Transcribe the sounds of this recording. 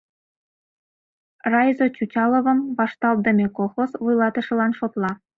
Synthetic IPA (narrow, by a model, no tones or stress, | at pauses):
rɑjzot͡ɕut͡ɕɑlə̆βə̆mβɑʃt̪ɑld̪ə̆mʲekolxosβujlɑt̪ə̆ʃɤ̆lɑnʃot̪lˠɑ